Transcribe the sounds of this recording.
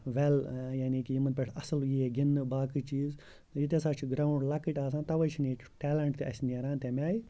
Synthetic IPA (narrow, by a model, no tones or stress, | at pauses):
ʋɛljanikijimɐnpʲeʈʰɐsɨljieɡinːɨbaːkɨt͡ʃiːz | jit̪̬esaːt͡ʃʰiɡɾaːuɳɖlɐkiʈʲaːs̬aːnt̪ɐʋɐjt͡ʃʰini̥ | ʈɛːlɐɳʈ̚t̪iɐ̰sʲneɾaːnt̪emʲaːji